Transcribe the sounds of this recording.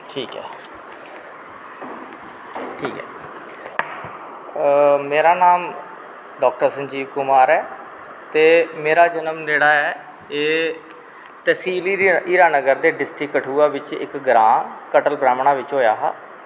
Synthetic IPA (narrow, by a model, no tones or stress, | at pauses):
ʈʰiːkɛ̰ː | ʈʰiːkɦɛ̰ː | meːɾaːnaːm | ɖɔːk̚ʈəɾsənd͡ʒiːbkʊmaːɾɛː | t̪eːmeːɾaːd͡ʒənəmd͡ʒeːɽaːɛː | eː | t̪ɛːsiːliiːɾaːnəɡəɾd̪eːɖɪsʈɾɪkːəʈʰuːaːʋɪt͡ʃɪ̰kɡɾãːkəʈəlpɾaːmɳaːʋɪt͡ʃɦoːjaːɦa̰ː